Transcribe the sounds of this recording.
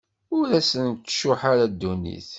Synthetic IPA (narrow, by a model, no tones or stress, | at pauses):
ʊɾæsənt̪ːʃʊħaɾad̪ːunḭθ